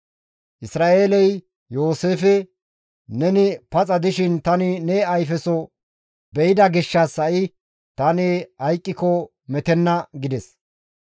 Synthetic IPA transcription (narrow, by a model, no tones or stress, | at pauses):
ʔɪsɾaːʔeːlɛj | jo̞ːse̞ːfɛ | nɛnɪpɐt͡sʼɐd̪ɪʃɪnt̪ɐnɪnɛɐjfɛsɔ | bɛjɪd̪ɐɡɪʃːɐsːɐʔɪ | t̪ɐnɪhɐjkʼːɪkɔ | mɛt̪ɛnːɐɡɪd̪ɛs